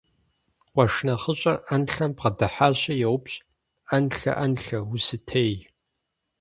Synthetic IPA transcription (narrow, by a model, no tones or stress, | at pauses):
qʷɔʂnɐχəɕʼɐʔɐnɬɐmpqɐdɐħaːɕʼɐjɛwʊpɕʼ | ɐnɬɐ̰ʔɐnɬɐwʊsɨtʰej